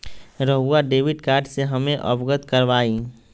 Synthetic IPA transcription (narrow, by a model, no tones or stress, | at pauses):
ɾəɦuaɖeːʋɪɖkaːɾɖseɦɐmẽʔɔ̰bɡət̪kəɾʋaːi